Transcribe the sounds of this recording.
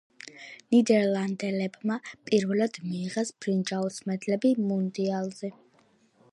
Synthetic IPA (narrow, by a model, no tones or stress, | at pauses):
nid̪ɛɾlˠand̪ɛlɛbmapʼiɾvɛlad̪̥miːʁɛsb̥ɾind͡ʒausmɛd̪lɛbimund̪ialˠzɛ